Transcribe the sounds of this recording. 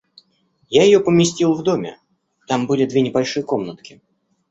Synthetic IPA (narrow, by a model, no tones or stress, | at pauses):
jajɪjopəmʲɪsʲtʲilˠvd̪o̞mʲɪ̰ | t̪ambɨlʲɪd̪vʲe̞nʲɪbɐlʲʂɨjəko̞mnət̪kʲɪ̥